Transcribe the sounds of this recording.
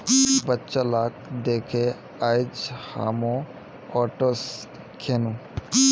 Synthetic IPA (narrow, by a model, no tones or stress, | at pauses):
bətːt͡ʃalaːk̚d̪eːkʰe | aːɪd͡ʒha̰ːmõ | ɔːʈos | kʰeːnuː